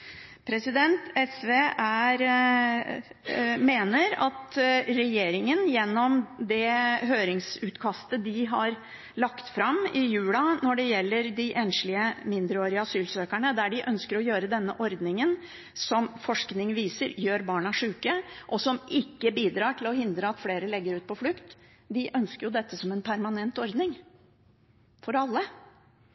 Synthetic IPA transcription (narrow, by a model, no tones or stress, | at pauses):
pʰɾɛsɪd̪ɛnt̪ɛsʋeʔæɾ | meːnəɾɑt̪ɾɛjeːɾɪŋənjɛnːɔmd̪ɛɦøːɾɪŋsʉːt̪kʰɑst̪əd̪ɪɦɑɾ | ɭɑkt̪fɾɑmɪjʉːlɑnɔɖɛjɛlːəɾd̪ɪʔɛnʂlɪəmɪnd̪ɾəoːɾɪəɑsyːlsøːkæɳəd̪æɖɪʔœnskəɾɔjøːɾəd̪ɛnːəʔɔɾd̪nɪŋən | sɔmfɔʂknɪŋʋiːsəɾjøːɾbɑːɳɑʂʉːkəʔɔsɔmɪkːəbiːd̪ɾɑːʈʰɪlɔɦɪnd̪ɾəɑt̪fleːɾəlɛɡːəɾʉːt̪̚pɔflʉkt̪ | d̪ɪʔœnskəɾjʊd̪ɛt̪ːəsɔmɛnpʰæɾmɑnɛnt̪ɔɾd̪nɪŋ | fɔɾɑlːə